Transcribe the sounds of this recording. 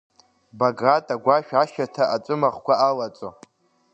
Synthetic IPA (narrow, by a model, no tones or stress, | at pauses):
baɡratʼaɡʷaʃᶣaʃatʰaʔat͡sʷʼɨmaχkʷaalat͡sʷʼo̰